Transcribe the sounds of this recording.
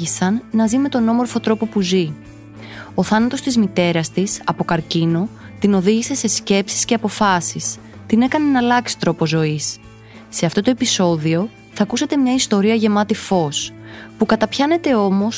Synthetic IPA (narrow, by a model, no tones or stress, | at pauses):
isɐnːɐzime̞t̪o̞no̞mo̞ɾfo̞t̪ɾo̞po̞puzi | oθɐnɐt̪o̞st̪izmit̪e̞ɾɐst̪isɐpo̞kɐɾcino̞ | t̪ino̞ðiʝise̞se̞sce̞psi̥sce̞ɐpo̞fɐsis | t̪ine̞kɐne̞nɐlɐksi̥t̪ɾo̞po̞zo̞isː | e̞ɐft̪o̞t̪o̞e̞piso̞ðio̞ | θɐkuse̞t̪e̞mɲɐist̪o̞ɾiɐʝe̞mɐt̪ifo̞spukɐt̪ɐpçɐne̞t̪e̞o̞mo̞s